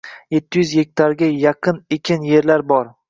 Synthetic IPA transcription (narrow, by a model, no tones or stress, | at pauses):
je̞t̪ʰːɪjʏzjek̚ʲt̪ʰaɾɡʲajɑqʰɨnekʲʰɪnje̞ɾlaɾbɒɾ